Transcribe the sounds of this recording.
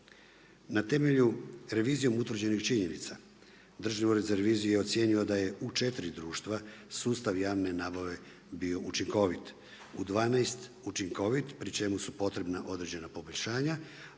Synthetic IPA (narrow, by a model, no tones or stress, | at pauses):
nat̪e̞me̞ʎuɾe̞ʋiːzijo̞mut̪ʋɾ̩rd͡ʑe̞nixt͡ʃiɲe̞nḭt̪sa | d̪r̩ʒnivoɾizaɾe̞ʋiːzijujeot̪sje̞ɲiod̪aje̞ut͡ʃe̞t̪ɾid̪ɾuːʃt̪ʋasuːst̪aʋjaːʋne̞naːbaʋe̞ | bio̞ʔut͡ʃiŋko̞ʋit̪ | ud̪ʋaːnaest̪ | ut͡ʃiŋko̞ʋit̪pɾit͡ʃe̞musupo̞t̪ɾe̞bnaʔo̞d̪ɾe̞d͡ʑe̞napo̞boʎʲʃaːɲa